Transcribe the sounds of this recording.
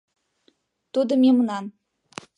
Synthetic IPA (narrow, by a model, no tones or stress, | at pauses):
t̪ud̪ɤ̆mʲemə̆nɑn